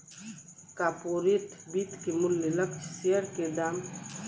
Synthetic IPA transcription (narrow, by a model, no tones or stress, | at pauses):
kaːpoɾeʈʰbiːt̪kemʊlːeləkt͡ʃʰseəɾked̪aːm